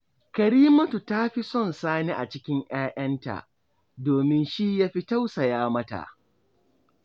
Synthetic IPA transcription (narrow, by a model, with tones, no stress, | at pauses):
kɐ˨ɾiː˦mɐ˦tu˨ta˦ɸi˦sɔ˦˨nsaː˦ne˦ʔa˨t͡ʃɪ˦kʲɪ˦ŋj̰aː˦ʔɐ˦nta̰˨ʔ | doː˨mɪ˦nʃi˦jaː˦ɸi˦ta˦wsɐ˨jaː˦mɐ˦ta̰˨ʔ